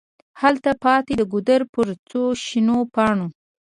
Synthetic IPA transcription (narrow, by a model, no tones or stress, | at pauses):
halt̪apɑt̪ed̪əɡud̪əɾpəɾt͡soʃinopɑɳo